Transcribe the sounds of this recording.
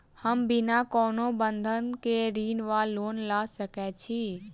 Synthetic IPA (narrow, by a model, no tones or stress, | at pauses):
həmbɪnakɔːnobənd̪ʱənkeɾiːnʋaːlːoːnlasəkɛt͡ʃʰi